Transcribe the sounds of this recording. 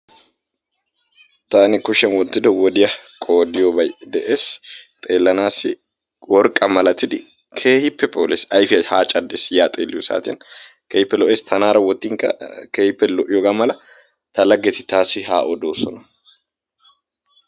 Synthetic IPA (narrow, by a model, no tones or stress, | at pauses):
t̪aːnɪkʊʃːɛnwɔt̪ːɪd̪ɔwɔd̪ɪjɐkʼo̞ːd̪ɪjobɐjd̪ɛʔe̞ːst̪ʼe̞ːlːɐnaːsɪ | wɔɾkʼːɐmɐlɐt̪ːɪd̪ɪ | kʰeːhɪpːɛpʼoːlɛsɐjfɪɐhaːt͡ʃʼɐd̪ːeːsjaːt̪ʼeːlːɪjɔsa̰ːt̪ɪjɐ̰n | keːhɪpːɛlɔʔeːst̪ʰɐnaːɾɐwɔt̪ːɪŋkɐ̰keːhɪpːɛlɔʔɪjɔɡaːmɐlɐ | t̪ɐlɐɡːɛt̪ɪt̪aːsɪɦa̰ːʔɔd̪o̞ːsɔnɐ